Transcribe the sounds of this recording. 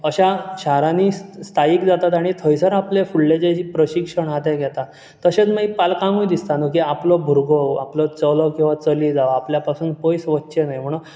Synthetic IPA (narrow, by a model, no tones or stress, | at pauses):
əɕaɕaɾaniːst̪ʰaikd͡zat̪at̪aɽ̃it̪ʰəjsəɾaplefuɭled͡ʑeipɾəɕikʂəɳɦat̪ɛɡʱɛt̪a | t̪əɕet͡smaipalkãŋɡujd̪ist̪anok̬iaplɔbʱuɾɡɔa̰plɔt͡səlɔkĩw̃ʋat͡səlid͡zaʋapljapasuːnpəjsʋətːɕenajm̤əɽ̃u